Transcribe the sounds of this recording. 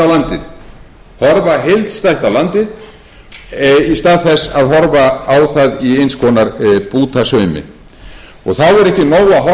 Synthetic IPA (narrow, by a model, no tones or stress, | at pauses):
awlant̪ɪð | hɔɾvaɦejlt̪st̪ajht̪awlant̪ɪð | ist̪aːðθɛsːaðɦɔɾvaawθaðiejnskʰɔːnaɾpuːt̪asœɥmɪ̰ | ɔɣθawɛɾɛhcɪnoːwaɦɔ